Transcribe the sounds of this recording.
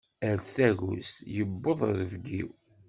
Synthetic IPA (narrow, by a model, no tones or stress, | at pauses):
æɾθæɡṵsjəbːəðˤəɾəvɡḭw